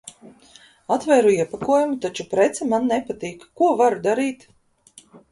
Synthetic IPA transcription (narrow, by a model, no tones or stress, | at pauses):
at̪vɛːɾuiɛpakuɔjumut̪at͡ʃupɾɛt̪sɛmanːɛpat̪iːkkuɔvaɾd̪aɾiːt̪